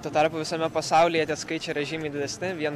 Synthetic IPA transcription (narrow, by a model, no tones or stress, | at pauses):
t̪oːt̪ɐɾpuːʋʲɪsɐmʲɛpɐsɑˑʊlʲiːjɛt̪ʲiɛskɐɪt͡ʃʲeɛɾʲɛʒʲiːmɐɪd̪ʲɪd̪ʲɛsʲnʲɪʋʲiɛn